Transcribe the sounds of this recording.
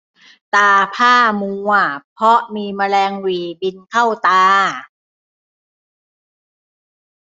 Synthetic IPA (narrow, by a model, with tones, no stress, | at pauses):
t̪aː˧pʰaː˥˩muː˧a˩pʰɔ˦˥ʔmiː˧ma˧lɛː˧ŋwiː˨˩bi˧nkʰa˥˩wt̪aː˧